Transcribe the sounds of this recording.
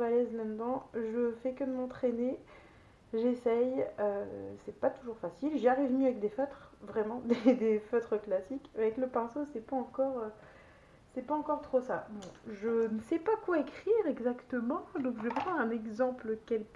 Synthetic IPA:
valɛzlãd̪ɑ̃ʒəfɛkəd̪əmɑ̃t̪χene | ʒesɛjøsɛpat̪uʒuʁfasilʒaʁivmjəavɛk̚d̪efœt̪χvʁɛmɑ̃d̪ed̪efœt̪χəklasikavɛkləpɛ̃sosɛpaɑ̃kɔʁø | sɛpaɑ̃kɔʁt̪χosabɔ̃ʒənəsɛpakwaekχiʁɛɡzakt̪əmɑ̃d̪ɔ̃kʒəvɛpχɑ̃d̪ʁɛ̃nɛɡzɑ̃pləkɛlk

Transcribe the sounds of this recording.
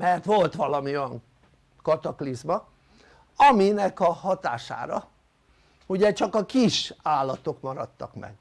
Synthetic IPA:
mɛrt̪ʋo̞lt̪ʋɒlɒmiojɒŋ | kɒt̪ɒklizmɒ | ɒminɛkɒhɒt̪a̰ːʃa̰ːɾɒ̰ | uɟɛt͡ʃɒkɒkiʃaːlːɒt̪okmɒɾɒt̪ːɒ̰kmɛ̰ɡ̥

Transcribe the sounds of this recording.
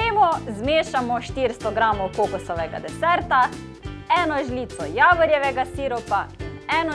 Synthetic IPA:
eːmɔzmeːʃamɔʃt̪iɾst̪ɔɡɾaːmɔwkoːkusɔʋɛɡa̰d̪ɛsɛɾt̪a | ɛːnɔʒliːt̪sɔjaːʋəɾjɛʋɛɡasiːɾɔpaɛːnɔ

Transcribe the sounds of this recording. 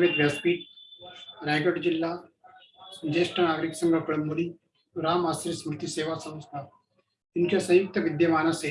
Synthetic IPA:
ʋet̪ʋjaːspiːʈ̚ | ɾɛːɡəɖd͡ʒɪlːa | sd͡ʒeːsʈʰənaːɡɾiksɐ̃ŋɡəkɐɽmuli | ɾaːmaːsɾismɾɪt̪iseːʋasɐ̃wst̪ʰa | ɪnkesɐ̃jʊk̚t̪ʰɐʋɪd̪jɐmaːnase

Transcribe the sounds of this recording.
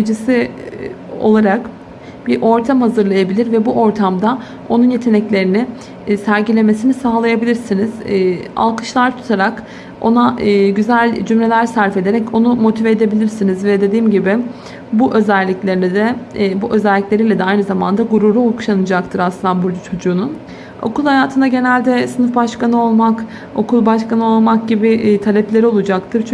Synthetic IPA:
d͡ʒisi | o̞̰lˠaɾak | b̥iɾʔo̞ɾt̪ʰamhazɯɾlˠajabilʲiɾvɛbuʔo̞ɾt̪ʰamd̪a | o̞nunje̞t̪ʰe̞nɛclʲe̞ɾinɪ | sæɾɟilʲe̞me̞sinisaːlˠajabilʲiɾsiniz̥ːa̰lˠkɯ̥ʃlˠaɾt̪ʰu̥t̪ʰaɾak | o̞̰naɯːɟyzælʲd͡ʒymɾe̞lʲæɾsæɾfe̞d̪e̞ɾɛco̞numo̞t̪ʰiveːd̪e̞bilʲiɾsinizvɛd̪e̞d̪iːmɟibɪ | buʔø̞zælʲːiclʲe̞ɾnd̪ɛbuʔø̞zɛlʲːiclʲe̞ɾilʲɛd̪ɛajnɯzamand̪aɡuɾuɾuoku̥ʃanɯd͡ʒak̚t̪ʰɯɾaslˠɯnabuɾd̪at͡ʃʰo̞d͡ʒuːnun | o̞̰kulˠhajaːt̪ʰɯnd̪aɟe̞nælʲd̪ɛsɯnɯfbaʃkanɯo̞lˠmak | o̞kʰulˠbaʃkʰanɯo̞lˠmak̚ɟibit̪ʰalʲɛplʲe̞ɾio̞lˠud͡ʒak̚t̪ʰɯɾt͡ʃʰ

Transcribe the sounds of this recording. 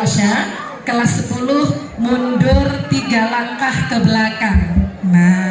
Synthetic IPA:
ʔʃa | kəlasəpulʊh | mundʊrt̪iɡalaŋkahkəbəlakanna

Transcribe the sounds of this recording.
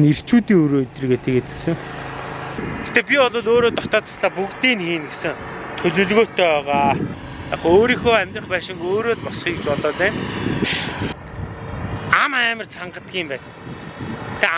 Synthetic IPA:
ner̥t͡ɕuːt̪iːŋɵɾot̪rɡet̪ɘ̆ket͡sɘ̥̆sɘ̆ŋ | ext̪eːp̬ʲiɔɮʊːɮoːɾoːt̪ɔt̪ɔːt͡sḁsɮaːpukt̪iːnxiːnɡe̥sɘ̆ŋ | t̪ʰɵɮɵ̆ɮɣoːt̪eœːʁaː | t̪aχoːɾiːxoːæmʲt̪rə̆χpæːʃɪ̆ŋɡoːɾoːtpɔsχiːkt͡ɕpɔt̪ɔːt̪eː | amæːmə̆rt͡sʰaɴɢə̆t̪̚ɡʲiːmpæːn | t̪e

